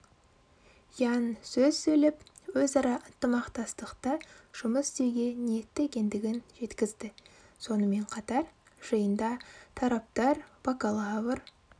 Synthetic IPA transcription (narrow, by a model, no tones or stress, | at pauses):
jɑnsɵzsɵlɪp | wɵzɑɾɑʔənt̪əmɑqt̪ɑst̪əqt̪əʒ̥ʊməst̪e̞wɡʲe̞nije̞t̪ːɪekʲe̞nd̪ɪɡʲɪnʒ̥e̞t̪kʲɪzd̪ɪso̞nəme̞ɴqʰɑt̪ɑɾ | ʒ̥əjənd̪ɑt̪ʰɑɾɑp̚t̪ɑɾb̥ɑkalˠɑvəɾ